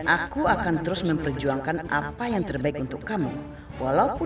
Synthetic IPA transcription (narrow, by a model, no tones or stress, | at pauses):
ʔakuakant̪əɾʊsməmpərd͡ʒuaŋkanʔa̰pajaŋt̪ərbaɪkunt̪ʊkːamu | walaupʊ